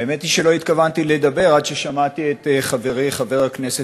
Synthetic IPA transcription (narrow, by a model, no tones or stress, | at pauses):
aemet̪iʃelo̞it̪kavant̪ile̞d̪ɐbe̞ʁad̪ʃeʃamat̪iet̪eχaveʁijχave̞ʁhaknese